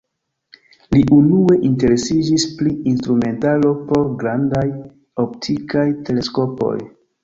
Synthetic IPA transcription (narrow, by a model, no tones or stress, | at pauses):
liʔunue̞ʔinte̞ɾe̞sid͡ʒispɾiinstɾume̞ntalo̞po̞ɾɡɾandaj | o̞ptʰikajte̞le̞sko̞po̞̰j